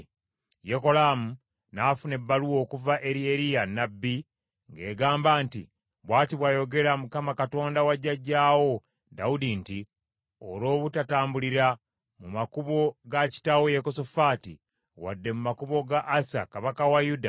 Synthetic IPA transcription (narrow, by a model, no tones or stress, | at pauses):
jeko̞laːmu | naːfune̞bːaluwo̞ːkuvaʔeɾieɾijanabːi | ŋɡe̞ːɡaːmbaːntḭ | βwaːtiβwaːjo̞ɡe̞ɾamukamakato̞ːndawaɟːaɟːaːwo̞ | da̰wudinti | olo̞ːβutataːmbuliɾa | mumakuβo̞ɡaci̥tawojekosofaːtḭ | wa̰dːe̞mumakuβo̞ɡaʔːsa̰kaβakawajuda